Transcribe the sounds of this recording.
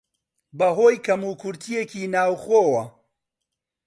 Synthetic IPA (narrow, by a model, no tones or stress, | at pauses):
bɐɦoːjkʰɐmuːkʰʊɾt̪ʰijeciːnaːwχoːwɐ